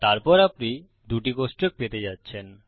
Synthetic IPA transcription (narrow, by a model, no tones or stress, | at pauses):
t̪aɾpɔɾapni | d̪uʈikosʈok̚pet̪ed͡ʑatːɕʰen